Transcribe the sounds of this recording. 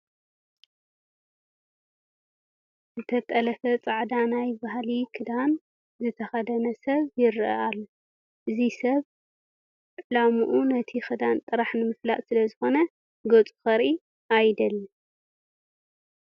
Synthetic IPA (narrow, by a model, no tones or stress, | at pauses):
zɨt̪ʰɐt̪ʼɐlɐfɐt͡sʼaʕd̪anajbahalikʰɨd̪an | zɨt̪ʰɐxɐd̪ɐnɐsɐβjɪɾʔɐ̰ʔalːo | ʔɨzisɐβ | ʕlamuʔunɐt̪ʰixɨd̪ant̪ʼɨɾaħnɨmɨflaʔʼsɨlɐzɨxo̞nɐ | ɡot͡sʼu̥xɐɾʔi | ʔajd̪ɐlːɐ